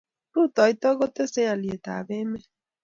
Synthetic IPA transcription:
ɾu˦˨tɔ˨i˦t̪ɔ˦ɣo˦t̪e˦se˦a˨li˨e˨ta̰˨be˦me˦

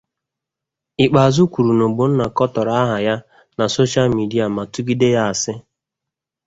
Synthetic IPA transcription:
i˨k͡pa˨a˨zu˦kʷu˨ɾu˨no˨ɡ͡bo˨n̩˦na˨kɔ˦tɔ˨ɾa˦a˦ɦa˨ja˦ | na˨so˦ʃa˦lmi˨di˦a˨ma˨tʊ˦ɡi˦de˦ja˦a˨sɪ˦

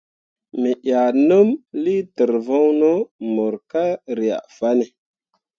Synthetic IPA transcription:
mi˨ʔa˨nu˦mli˦də˨ɾvo˦ŋno˦mo˨ɾka˦ɾi˨a̰˨ʔfa˦ne˨

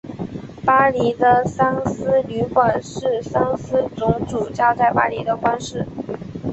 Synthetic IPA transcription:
pa˥li˧˥d̪ə˧sɑ˥ŋsɹ̩˥ly˧˥kwa˨˩nʂɻ̩˥˩sɑ˥ŋsɹ̩˥t͡sʊ˧˥ŋʈ͡ʂu˨˩t͡ɕjɑ˥˧ʊt͡sa˥˩ɪpa̰˥li˧˥d̪ə˧kwa˥nʂɻ̩˥˩

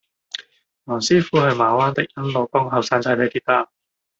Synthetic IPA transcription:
nɔː˨˩ŋsiː˥fuː˨˥hɐ˨jmaː˨˥waː˥nt̪ɪ˨k̚jɐ˥nloː˨˩kɔ˥ŋɦɐ˨wsaː˧nt͡sa˧jle˨˧t̪iː˥t̪aː˧˩

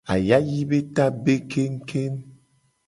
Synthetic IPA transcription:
a̰˨ja˦ji˦be˦ta˦be˦kʰe˦ŋ̩˦kʰe˦n

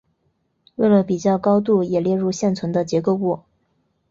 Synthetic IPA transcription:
we˥˩ɪlə˩pi˨˩t͡ɕjɑ˥˩ʊkɑ˥ʊt̪̬u˥˩jɛ˨˩ljɛ˥˧ɻu˥˧ɕjɛ˥˩nt͡sʰwə˧˥nd̪ə˧t͡ɕjɛ˧˥ko˥˧ʊkwɔ˥˩

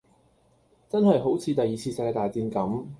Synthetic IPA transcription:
t͡sɐ˥nhɐ˨jɦo˨˥wt͡sʰiː˨˧t̪ɐ˨˩jiː˨˩t͡sʰiː˧sɐ˨˧kːɛ˧t̪aː˨˩jt͡siː˧nkɐ˨˥m

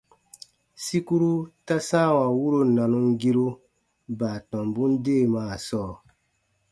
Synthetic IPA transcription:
si˦ku˦ɾu˦ta˦sã˦˨wa˨wu˦ɾo˨nã˨nũ˧ŋɡi˦ɾo˦ | baː˨tɔ̃˨mbũ˦n˦deː˦˨maː˦˨sɔː˦˨

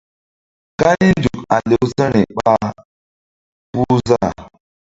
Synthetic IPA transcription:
ka˦li˦n˦d͡ʒu˨ka˨le˨wsə˦ni˨ɓa˦ | pu˦za˦˨

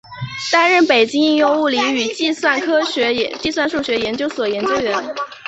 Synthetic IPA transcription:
t̪a˥nɻə˥˩npe˨˩ɪt͡ɕi˥ŋi˥˧ŋjo˥˧ŋu˥˩li˧˥y˨˩t͡ɕi˥˧swa˥˩nkʰɤ˥ɕɥɛ˧˥˧t͡ɕi˥˧swa˥˧nʂu˥˩ɕɥɛ˧˥jɛ˧˥nt͡ɕjo˥ʊswɔ˨˩jɛ˧˥nt͡ɕjo˥ʊɥɛ˧˥n

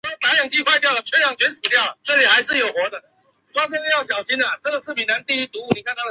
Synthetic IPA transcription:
t̪a˧˥jɑ˨˩ŋt͡ɕi˥˧xwa˥˧ɪt̪jɑ˥˩ʊ˩t͡ɕʰɛ˥njɑ˨˩ŋt͡ɕɥɛ˧˥nsɹ̩˨˩t̪jɑ˥˩ʊʈ͡ʂɤ˥˩li˨˩xa˧˥ɪʂɻ̩˥˩jo˨˩ʊxwɔ˧˥d̪ə˨ | t͡sa˥kə˥˧˥jɑ˥˩ʊɕ̬jɑ˨˩ʊɕi˥na˨ʈ͡ʂɤ˥˩ɡə˨˩sɹ̩˥˩pʰi˨˩na˧˦nt̪i˥˧y˧˥t̪u˧˥u˥˩ni˨˩kʰa˥˧nʰa˥˩ə˧

